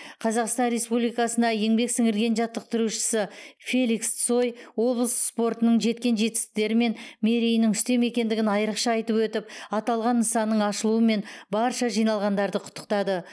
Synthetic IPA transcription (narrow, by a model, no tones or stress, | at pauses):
qʰɑzɑqst̪ɑnɾe̞spublijkɑsənd̪ɑje̞ŋbe̞ksɪŋɪɾɡʲe̞nʒɑt̪ːəq̚t̪ʰʏɾuʃɪ̥sɪfe̞lʲikst̪so̞jwo̞blˠəsspo̞ɾt̪ənəɴʒe̞t̪̚kʲe̞nʒe̞t̪ɪ̥s̚t̪e̞ɾɪme̞nme̞ɾejnɪŋʏst̪e̞me̞kʲe̞nd̪ɪɡʲɪnɑjəɾəqʃɑɑjt̪əpwɵt̪ɪpɑt̪ɑlˠʁɑnːəsɑnːəɴɑʃəlˠuəme̞nbɑɾʃɑʒijnɑlˠʁɑnd̪ɑɾd̪əqʰʊ̥t̪ːə̥qt̪ɑd̪ə